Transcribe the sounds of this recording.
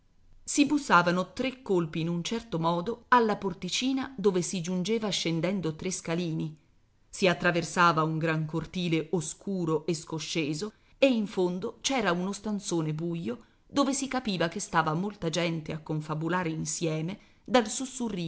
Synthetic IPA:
sibusːaːvanot̪ɾekːolpiːnunt͡ʃɛrt̪omɔːd̪oalːaport̪it͡ʃiːnad̪oːvesid͡ʒund͡ʒeːvaʃːend̪ɛnd̪ot̪ɾeskaliːni | siat̪ːɾaversaːvauŋɡɾaŋkort̪iːleoskʰuːɾoʔeskoʃːeːzo | eiɱfond̪ot͡ʃɛːɾaunost̪ant̪soːnebujːo | d̪̥oːvesikapiːvakest̪aːvamolt̪ad͡ʒɛnt̪eakːoɱfabulaːɾeinsjɛːme | d̪alsusːurːiː

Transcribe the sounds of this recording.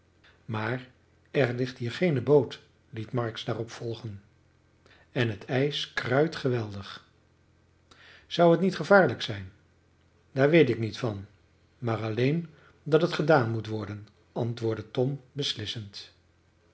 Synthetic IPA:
maːr | ɛɹlɪχtɦiːɹχejnəbowt | litmɑɹksdaːrɔpfɔlˠχən | ɛnɦətʰɛjskrœɥtχəʋɛlˠdəχ | z̥ʌwɦətnitχəvaːɹləksɛjn | daːɹʋejtɪknitfɑn | maːrɑlejn | dɑtətχədaːnmutʋɔɹdən | ʔɑntʋʊːɹdətɔmbəslɪsənt

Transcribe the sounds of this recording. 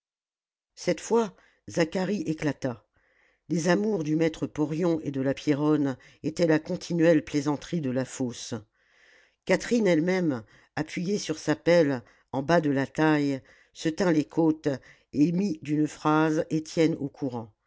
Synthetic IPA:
sɛt̪fwa | zakaʁiʔeklat̪a | lezamuʁd̪ymɛt̪χəpɔʁjɔ̃ʔed̪əlapjeʁɔn | et̪ɛlakɔ̃t̪ʰinɥɛlplezɑ̃t̪χid̪əlafos | kat̪χinɛlmɛm | apɥijesyʁsapɛl | ɑ̃bad̪əlat̪aj | sət̪ɛ̃lekʰot̪ | emid̪ynfχazet̪jɛno̰kʰuʁɑ̃

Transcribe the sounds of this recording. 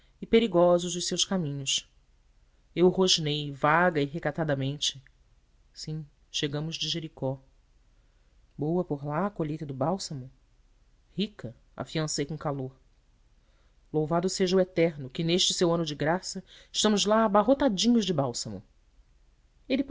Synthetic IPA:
ɪpeɾiɡɔzʊʒd̪ʊʃsewʃkamĩɲʊs | ewhoʒnejvaɡɐiɦekat̪ad̪ɐmẽnt͡ʃɪ̥ | sĩ | ʃeɡɐ̃mʊzd͡ʒɪʒeɾikɔ | bowɐpoɾlaːkoʎejt̪ɐd̪ʊbawsɐmʊ | hikɐ | a̰fiɐ̃sejkõkaloɾ | lowvad̪ʊseʒɐuwɛt̪ɛɾnʊkɪneʃt͡ʃɪsewɐ̃nʊd͡ʒɪɡɾasɐɪʃt̪ɐ̃mʊzlaːbaɦot̪ad͡ʒĩɲʊzd͡ʒɪbawsɐmʊ̰ | elɪ

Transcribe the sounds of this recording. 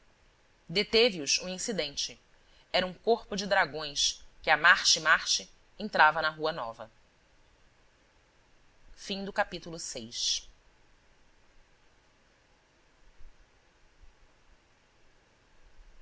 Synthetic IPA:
d̪et̪eviʊʃũĩsid̪ẽnt͡ʃɪ | ɛɾɐũkoχpʊd͡ʒɪd̪ɾaɡõj̃skɪamaɾt͡ʃɪmaɾt͡ʃɪ | ẽnt̪ɾavɐnɐɦuɐnɔ̰vɐ̰ | fĩd̪ʊkapit̪ulʊsejʃ

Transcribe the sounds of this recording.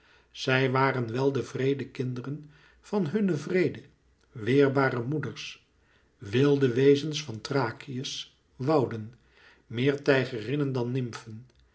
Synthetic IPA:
z̥ɛjʋaːrənʋɛlˠdəvrejdəkɪndərən | v̥ɑnɦɵnəvrejdə | ʋɪːɹbaːɾəmudəɹs | ʋɪlˠdəʋejzənsfɑntraːkiəs | ʋɑwdən | mɪːɹtɛjχərɪnəndɑnːɪmfən

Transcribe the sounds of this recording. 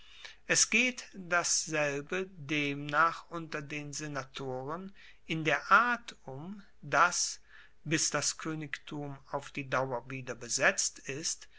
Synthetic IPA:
ʔɛsɡ̥eːtd̥asz̥ɛlbədeːmnaːχʔʊntɐdeːnzenatʰoːʁən | ʔɪndeːɐʔaɐtʊm | das | bɪsd̥askʰøːnɪktʰuːmaʊfd̥iːdaʊɐviːdɐbəzɛt͡stɪst

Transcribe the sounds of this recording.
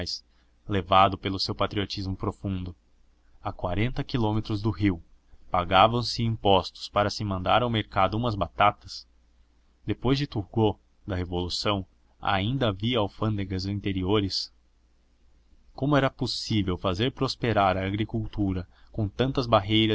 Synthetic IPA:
js | levad̪ʊpelʊsewpat̪ɾiot͡ʃizmʊpɾofũnd̪ʊ | akwaɾẽnt̪ɐkilõmet̪ɾʊzd̪ʊɦiw | paɡavɐ̃w̃sɪĩmpɔst̪ʊ̥spaɾɐsɪmɐ̃nd̪aɾawmeɾkad̪ʊũmɐzbat̪at̪ɐs | d̪epojzd͡ʒɪt̪uɾɡo | d̪ɐɦevolusɐ̃w̃ | a̰ĩnd̪ɐviawfɐ̃nd̪eɡɐzĩnt̪eɾioɾɪs | kõmʊɛɾɐposivewfazeɾpɾospeɾaɾɐːɡɾikuwt̪uɾɐkõt̪ɐ̃nt̪ɐzbaɦejɾɐ

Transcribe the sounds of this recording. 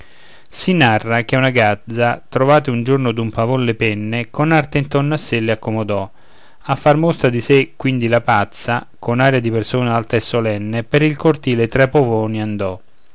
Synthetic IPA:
sinarːak̟eunaɡad̪zat̪ɾovaːt̪ɪund͡ʒornʊd̪umpavonlepɛnːɪkonart̪eint̪ornːasːelːɪakːomod̪ɔ | afːarmost̪ɾad̪isekːwind̪ilapat̪sa | konaːɾjad̪ipersoːnaalt̪aesːolɛnːepɪɾilkort̪iːlet̪ɾɛpːovɔːniand̪ɔ

